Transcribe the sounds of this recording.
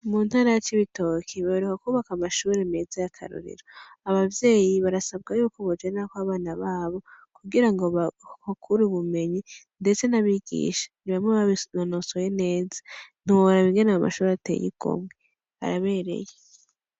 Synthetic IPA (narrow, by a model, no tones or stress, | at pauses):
munhaːɾajat͡ʃiβito̞kʰiβaβiɾukakuːβakamaʃuːɾemezajakʰa̰ɾṵɾḭɾo | aβavje̞ːjiβaɾasabɡajuːkoβod͡ʒaakwaβaːnaβaːβo̞kuɡiɾaŋɡoβakʰuɾuβume̞ɲinde̞t͡se̞naβiɡḭːʃḁniβamŋeβanonosojene̞ːzḁn̥iwoɾaβiŋɡenaama̰ʃuːɾeatḛjḭɡo̰mwe | a̰ɾaβe̞ːɾe̞̰je